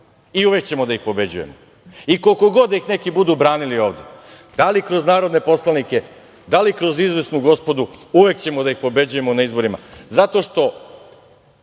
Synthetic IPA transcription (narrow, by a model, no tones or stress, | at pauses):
iuʋekt͡ɕe̞mod̪aixpo̞be̞d͡ʑuje̞̰mo | ikolko̞ɡo̞d̪aixne̞kibud̪ubɾaːnilio̞ːʋd̪e̞ | d̪alikɾo̞znaːɾo̞d̪ne̞po̞slˠanike̞ | d̪alikɾo̞zizʋe̞snuɡo̞spo̞d̪uuʋe̞kt͡ɕe̞mod̪aixpo̞be̞d͡ʑuje̞monaizbo̞ɾima̰zat̪o̞ʃt̪o̞